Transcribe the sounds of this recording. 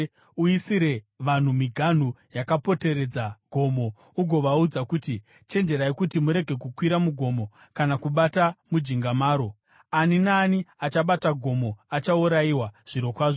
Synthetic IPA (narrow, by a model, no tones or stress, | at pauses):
uisiɾe̞ | ʋan̤umiɡʱan̤ujakapo̞te̞ɾe̞d͡zaɡʱo̞mo̞ | uɡʱo̞ʋaud͡zakuti | t͡ʃe̞nd͡ʒe̞ɾaekutimuɾe̞ɡʱe̞kukwiɾamuɡʱo̞mo̞ | kanakuɓatamud͡ʒiŋɡamaːɾo̞ | aninaːniat͡ʃaɓataɡʱo̞mo̞at͡ʃauɾaiwaʐ̥iɾo̞kwaːʐo